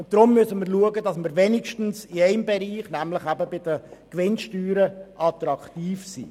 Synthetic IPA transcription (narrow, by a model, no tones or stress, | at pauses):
ʊnt̚d̥ɾʊmːysəməɾluəɡədɑsməɾʋɛnɪkʃtn̩sɪæɪmbɛɾiːχnæmləχæbəbɪd̥əkʋɪnʃtyːɾəʔɑt̪ɾɑktiːfsḭː